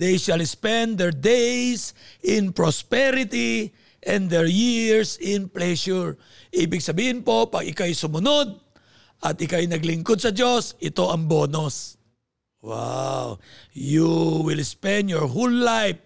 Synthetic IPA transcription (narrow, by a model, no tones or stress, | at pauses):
d̪ejʃɐlspɛ̃nd̪d̪ɛɹd̪ejsʔɪnpɹospɛɾɪt̪i | ʔɛ̃nd̪ɛɹjiɹsɪnplɛʃʊɹ | ʔiːbɪɡsɐbiːhɪnpo̞pɐɡɪkajsʊmʊno̞d̪̚ | ʔɐt̪ʔɪkajnɐɡlɪŋkod̪̚sɐd͡ʒo̞sʔɪt̪o̞ʔɐŋbo̞ːnos | wa̰wjuwɪlspɛ̃nd̪jɔɹɦolːajf̚